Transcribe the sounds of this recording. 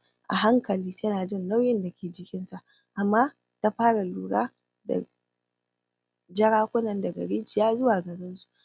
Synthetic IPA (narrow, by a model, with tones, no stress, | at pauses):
ʔa̰˨ɦa˦ŋkɐ˨liː˦tʰɐ˦naː˨d͡ʒɪ˦nːa˦wjɪ˦nda˨kʲeː˨d͡ʒɪ˨kʲɪ˦nsa˨ʔ | ʔa˨mːaː˦ | ta˦ɸaː˦ɽa˨luː˦ɽaː˦ | da̰˨ | d͡ʒɐ˦ɽaː˦kʷʊ˦nɐ˨ndɐ˨ɡɐ̰˨ɽeː˦d͡ʒɪ˨jaː˦zʊ˦waː˨ɡɐ˨ɾɪ˦nsu̥˦ʔ